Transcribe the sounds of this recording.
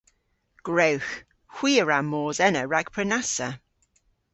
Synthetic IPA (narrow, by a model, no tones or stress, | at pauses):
ɡ̥ɹəwx | hw̥iːəɹamːɔːzɛnəɹaɡ̥pʰɹənasə